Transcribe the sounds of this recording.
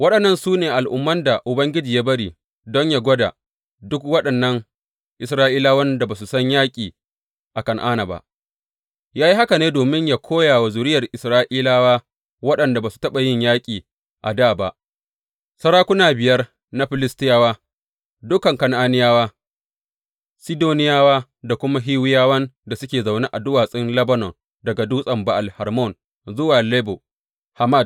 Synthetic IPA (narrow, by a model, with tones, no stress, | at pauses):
wɐ˦ɗɐ˨nːɐ˦˨nsuː˦neː˨ʔa˨lʔʊ̰˦mːɐ˦nda˨ʔʊ˨bɐ˦ŋɡʲɪ˦d͡ʒiː˨jaː˦bɐ˦ɽiː˨ | dɔ˦ɲjaː˨ɡʷɔ˦da̰˨ | dʊ˦kwɐ˦ɗɐ˨nːɐ˦ŋ | ʔɪ˨sɾaː˦ʔiː˦laː˦wɐ˦nda˨baː˨s̬u˨sɐ˦ɲjaː˦kʲʼiː˨ | ʔa˨kɐ˦˨ŋʔaː˦na˨ba̰˨ʔ | jaː˦ji˦ha˦ka˨neː˦doː˨mɪ˦ɲjaː˨kʷʰoː˦jaː˨wa˨zʊ˨ɾɪ˦jɐ˨rʔɪ˨sɾaː˦ʔiː˦laː˦waː˦ | wɐ˦ɗɐ˨nda˨baː˨su̥˨tɐ˦ɓa˨jɪ˦ɲjaː˦kʲʼiː˨ | ʔa̰˨daː˦˨ba˨ʔ | sɐ˦ɾaː˦kʷʊ˦naː˨bɪ˨jɐ˦r | na˦ɸɪ˨lɪ˦stɪ˦jaː˦waː˦ | dʊ˦kɐ˨ŋkɐ˨nʔaː˦nɪ˦jaː˦waː˦ | si˦doː˦nɪ˦jaː˦waː˦ | da˨kʷʊ˦ma˦ɦiː˦wɪ˦jaː˦wɐ˦nda˨sʊ˦kʲeː˨za˨wneː˦ʔa˨dʊ˦waː˨sʼɪ˦nlɐ˦bɐ˦nɔ˨n | dɐ˨ɡa˨duː˦sʼɐ˨mba˨ʔa˨lhɐ˨ɾmɔ˦˨n | zʊ˦waː˨leː˦bo˨ | ha˨ma˦˨d̚